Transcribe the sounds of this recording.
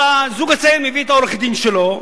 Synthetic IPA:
azuɡat͡saelmeviet̪aoʁeχd̪inʃelo̞

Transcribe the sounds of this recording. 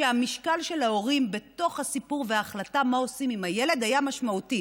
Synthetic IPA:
eamiʃkalʃe̞lao̞ʁimbe̞to̞χhasipuʁveaːχlatamao̞simimaje̞le̞d̪ajamaʃmauti

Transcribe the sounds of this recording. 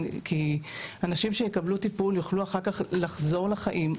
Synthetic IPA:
kianaʃimʃejekablutipuljuχluaχaʁkaχlaχzo̞ʁlaχaʔim

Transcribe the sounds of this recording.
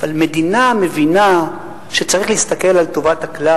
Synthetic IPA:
avalme̞d̪iname̞vina | ʃe̞t͡saʁiχlehist̪ake̞lalto̞vathakla

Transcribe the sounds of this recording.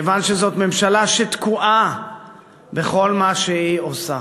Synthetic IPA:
evanʃezo̞t̪me̞mʃalaʃet̪kuʔa | be̞χo̞lmaʃeiosa

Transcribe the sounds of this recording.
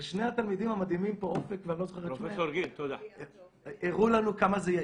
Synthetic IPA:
ʃnehat̪almid̪imamad̪imimpoʔofekveanlot͡soχeʁeʃmeoɾɡint̪od̪a | eʁulanukamazeja

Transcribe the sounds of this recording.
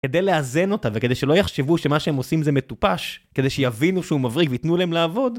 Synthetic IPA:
ke̞d̪e̞jleaze̞no̞taveke̞d̪ejʃelo̞jaχʃevuʃemaʃeemo̞simzeme̞t̪upaʃke̞d̪e̞jʃejavinuʃeumavʁikveit̪nulaemlaːvo̞d

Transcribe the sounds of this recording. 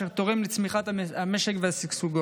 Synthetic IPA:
eʁt̪oʁemlit͡smiχat̪aameʃekveasiksuɡo

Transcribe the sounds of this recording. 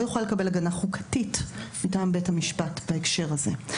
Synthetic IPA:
ojuχlale̞kabe̞laɡanaχukʰḁtitmitaːmbethamiʃpatbaekʃe̞ʁazḛ

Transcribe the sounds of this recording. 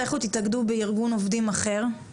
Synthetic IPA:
eχut̪it̪aɡd̪ubeiʁɡunovd̪imaχe̞ʁ

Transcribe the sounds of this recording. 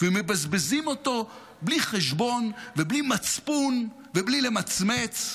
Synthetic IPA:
vemebazbezimo̞to̞ | bliχeʃbo̞nveblimat͡spun | veblile̞mat͡smet͡s

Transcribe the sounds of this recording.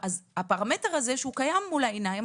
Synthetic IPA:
azhapaʁame̞teʁaze̞ʃeukajamːulaenajm

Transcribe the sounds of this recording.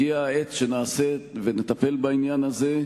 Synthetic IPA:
iaet͡sʃe̞naːseve̞net̪ape̞lbainjanaze̞

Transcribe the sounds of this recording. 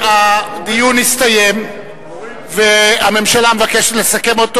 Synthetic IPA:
ad̪ijunist̪ajem | veame̞mʃalamevakeʃetlesake̞mo̞t

